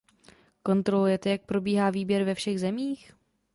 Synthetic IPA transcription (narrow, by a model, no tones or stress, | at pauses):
ko̞nt̪ɾo̞lujɛt̪ɛjak̚pɾo̞biːɦaːviːbjɛɾvɛfʃɛɣzɛmiːx